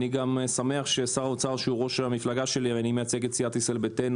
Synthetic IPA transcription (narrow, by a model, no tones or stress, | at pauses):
niɡamsameaχʃesaʁaot͡saʁʃeuʁo̞ʃlamiflaɡaʃe̞liveanimejat͡seɡet͡siat̪iselbeten